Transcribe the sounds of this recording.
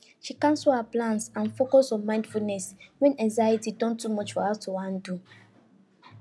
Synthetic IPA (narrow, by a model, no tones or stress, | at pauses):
ʃikãnsohaplãnsãnfokɔsɔ̃nmãɪ̃ndfulnɛswɛ̃nãŋzajitidɔ̃ntumɔt͡ʃfɔhatuwãn̩du